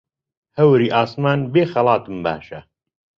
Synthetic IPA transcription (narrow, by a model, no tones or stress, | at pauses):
hɐwɾiːʔaːsmaːnbeːxɐlɑːt̪ɨmba̰ːʃɐ